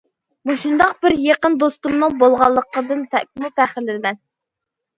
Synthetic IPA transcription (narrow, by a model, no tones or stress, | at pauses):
muʃund̪ɑq̚bɪɾjeqənd̪ost̪umnɨŋbolˠʁɑlˠːəqəd̪ɨnt̪ʰɛʔk̚ʲɪmup̪ʰæχɪlːɪlmɛn